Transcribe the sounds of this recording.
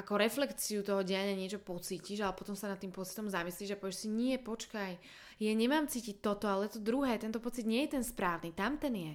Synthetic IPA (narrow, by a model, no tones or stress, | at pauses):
ʔakɔɾɛflɛkt͡siut̪ɔɦɔɟɛjaɲaɲɪɛt͡ʃɔpɔt͡siːciʒalɛpɔt̪ɔmsanat̪ːiːmpɔt͡si̥t̪ɔmzamisliːʒapɔʋiɛʃsiɲɪɛpɔt͡ʃkaj | jaɲɛmaːmt͡siːcic̚t̪ɔt̪ɔalɛjɛt̪ɔd̪ɾuɦɛːt̪ɛnt̪ɔpɔt͡sid̪ɲɪɛjɛt̪ɛnspɾaːʊnit̪amt̪ɛnjɛ